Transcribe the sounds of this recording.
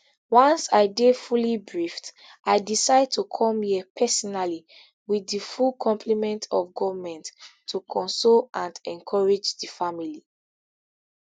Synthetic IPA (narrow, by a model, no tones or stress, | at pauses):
wɔ̃nsaɪdefulibɹift | aɪdisaɪd̚tʰukʰɔ̃miɛpʰɛsɔnali | wiðifulkʰɔ̃mpʰlimɛ̃ntʰɔfɡɔvmɛ̃nttʰːukʰɔ̃nsolãndɛ̃nkʰɔɹed͡ʒdifamili